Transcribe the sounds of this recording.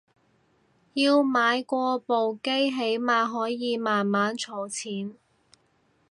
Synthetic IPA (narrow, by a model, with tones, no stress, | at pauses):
jiː˧wmaː˨˧jkʷɔː˧po˨wke˥jɦe˨˥jmaː˧ɦɔː˨˥jjiː˨˧maː˨nmaː˨˥nt͡sʰɔː˨˩wt͡sʰiː˨˥n